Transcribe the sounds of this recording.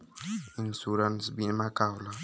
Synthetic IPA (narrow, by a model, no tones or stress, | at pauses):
insuɾansbimakawla